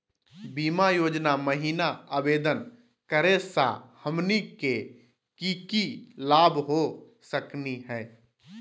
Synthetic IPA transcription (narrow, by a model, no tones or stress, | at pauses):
biːmajoːd͡ʒnaməɦiːnaəbeːd̪ən | kəɾesa̰həmnike | kikilaːbʱɦo | səkniɦɛː